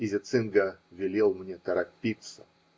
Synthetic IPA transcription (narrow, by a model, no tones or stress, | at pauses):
ɪzʲɪt̪sɨnɡəvʲɪlʲelˠmnʲet̪əɾapʲit̪sə